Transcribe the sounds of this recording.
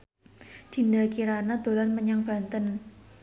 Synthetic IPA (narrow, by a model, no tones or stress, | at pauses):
d͡ʒ̥i̤ndakiɾanad̪̥o̤lanməɲaŋb̥a̤nt̪ən